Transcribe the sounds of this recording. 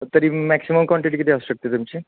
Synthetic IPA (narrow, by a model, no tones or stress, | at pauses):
t̪əɾiːmɛksiməmkʋɔɳʈiʈ̬ikit̪ʰiəsuːɕək̚t̪et̪umt͡ɕiː